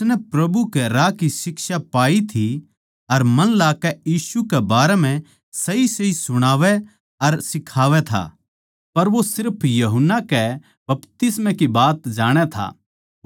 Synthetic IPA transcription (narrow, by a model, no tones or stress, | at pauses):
snɛpɾɐbukɛɾakisɪkʃapaːit̪ʰi | ɐɾmɐnlaːkɛjiːsukɛbaːɾɛm̤ɛ̃ | sɐisɐisʊɽ̃aːʋɛ | ɐɾsɪkʰaːʋɛt̪ʰa̰ː | pɐɾʋosɪɾpʰjɐɦʊnːakɛ | bɐpt̪ɪsmɛ̃kibaːt̪d͡ʒaːɽ̃ɛt̪ʰa̰ː